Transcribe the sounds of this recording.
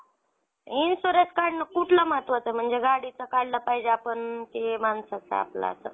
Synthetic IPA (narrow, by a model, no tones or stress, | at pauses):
insoɾet͡skaɽnəkuʈʰləmat̪ʋət͡səm̤əɳd͡zeɡaɽit͡səkallapaɦid͡ʑeapəɳt̪emansat͡sa̰a̰pla̰ə̰sə̰